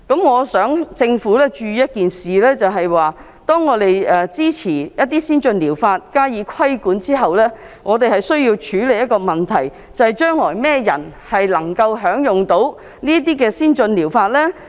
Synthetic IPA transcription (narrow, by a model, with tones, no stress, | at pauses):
kɐ˨˥mŋɔː˨˧sœː˨˥ŋt͡sɪ˧ŋfuː˨˥lɛː˥t͡ʃyː˨˧jɐ˥t̚kiː˨nsiː˨lɛː˥t͡sɐ˨wɦɐ˨jwaː˨ | t̪ɔː˥ŋːɔː˨˧t̪e˨jɛː˨˩t͡siː˥t͡sʰiː˨˩jɐ˥t̚t̪iː˥siː˥nt͡ʃɵ˧nliː˨˩wfaː˧t̚kaː˥jiː˨˧kʷʰɐ˥jkuː˨˥nt͡siː˥ɦɐ˨wlɛː˥ | ŋʔɔː˨˧t̪e˨jhɐ˨jsɵ˥ɥjiː˧wt͡ʃʰyː˨˥le˨˩jɐ˥t̚kɔː˧mɐ˨˩nt̪ʰɐ˨˩j | t͡sɐ˨˧hɐ˨˩jt͡ʃœː˥ŋlɔː˨˩jmɛː˥jɐ̰˨˩nhɐ˨jlɐ˨˩ŋkɐ˧wɦœː˨˥ŋjʊ˨ŋt̪o˨˥w | niː˥t̪̬iː˥kɛː˧siː˥nt͡ʃɵ˧nliː˨˩wfaː˧t̚lɛː˥